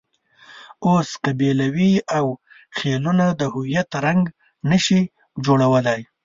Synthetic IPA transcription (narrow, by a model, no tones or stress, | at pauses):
oskabelawiaw | xelunad̪əhʊwijat̪ɾaŋɡ | nəʃi | d͡ʒoɽawəlaj